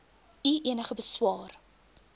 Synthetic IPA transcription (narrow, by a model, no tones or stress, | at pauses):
iʔiənəχəbəswɑːr